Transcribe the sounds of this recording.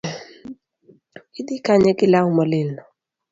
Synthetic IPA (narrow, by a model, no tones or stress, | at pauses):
id̪ikaɲɛkɪlawmɔlɪnɔ